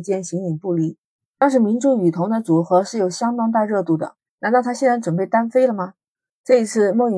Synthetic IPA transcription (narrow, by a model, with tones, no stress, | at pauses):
t͡ɕjɛ˥˩nɕi˧˥ŋi˨˩ŋpu˥˩li˧˩ | t̪ɑ˥ŋʂ̬ɻ̩˧˥mi˧˥nʈ͡ʂu˥y˨˩t̪ʰʊ˧˥ŋd̪ə˧t͡su˨˩xɤ˧˥ʂɻ̩˥˩jo˨˩ʊɕjɑ˥ŋt̪̬ɑ˥ŋt̪a˥˧ɻɤ˥˧t̪u˥˩d̪ə̰˩ | na˧˥nt̪ɑ˥˩ʊt̪ʰa˥ɕɛ˥˧nɻa˧˥nʈ͡ʂwə˨˩np̬e˥˩ɪt̪a˥nfe˥ɪlə˨mɐ˩ | ʈ͡ʂɤ˥˩i˧˥t͡sʰɹ̩˥˧m˥˩y˨˩